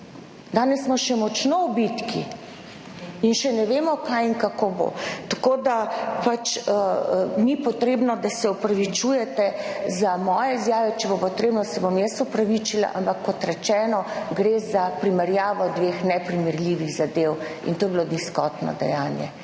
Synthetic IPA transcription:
d̪aːnɛsːmɔʃɛmɔt͡ʃnowbit̪ki | inʃɛnɛʋeːmɔkajiŋkakobo̰t̪akoːd̪apat͡ʃənipɔt̪ɾeːbnɔd̪asɛupɾaʋit͡ʃujɛt̪ɛzamɔːjɛizjaːʋɛt͡ʃɛbopɔt̪ɾeːbnɔsɛbomjɛsupɾaʋit͡ʃila̰ʔampakːɔt̪ɾɛt͡ʃɛːnɔɡɾezapɾimɛɾjaːʋɔd̪ʋexnɛpɾimɛɾlʲiʋiɣzad̪ew | ḭnt̪oːjɛbilod̪niskɔt̪nɔ̰d̪ɛ̰jaːnjɛ̰

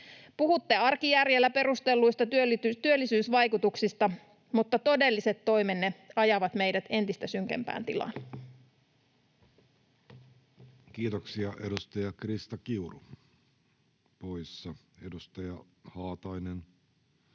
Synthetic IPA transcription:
puhut̪ːeɑrkijærjelːæpe̞ɾust̪e̞lːujst̪ɑt̪yølit̪t̪yølːisyːsʋɑjkut̪uksist̪ɑ | mut̪ːɑt̪o̞de̞lːise̞t̪ːo̞jmenːe̞ɑjɑʋɑt̪me̞jdæt̪e̞nt̪ist̪æsyŋk̟ḛmpæ̰ːnt̪ilɑ̰n | kiːt̪oksiɑʔedust̪ɑjɑkrist̪ɑkiuru | pojsːɑ | edust̪ɑjɑ | hɑːt̪ɑinen

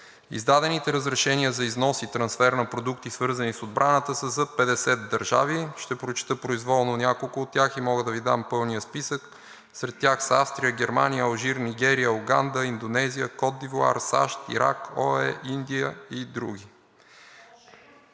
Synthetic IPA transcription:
ḭzd̪ad̪ɛnit̪ɛɾəzɾɛʃɛniəzɐiznɔsit̪ɾɐnsfɛɾnɐpɾod̪ukt̪isvɤɾzənisod̪̚bɾʔanət̪əsəzɐpɛd̪ɛsɛt̪d̪ɐɾʒa̰viʃt̪ɛpɾot͡ʃi̥t̪ɤpɾoizvɔlˠnonʲjakolˠkʊːt̪tːʲjaximɔɡəd̪ɐvid̪ampɤlˠnijəspisək | sɾɛt̪ːʲjaxsafst̪ɾiəɡʲɛɾmanijəːlˠʒiɾniɡɛɾijəoɡand̪əind̪onɛziəkɔd̪ivlˠa̰ɾsa̰ʃt̪ḭɾa̰kɔɛʔind̪ijəid̪ɾṵɡʲi

